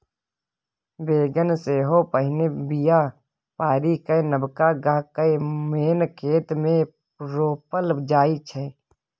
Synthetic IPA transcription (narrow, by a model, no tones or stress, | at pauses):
beːɡənseɦoːpəɦɪnebijaː | paːɾiːkəenəbkaːɡaːɦkəemeːnkʰeːt̪mẽ | ɾoːpəld͡ʒaːit͡ʃʰɛ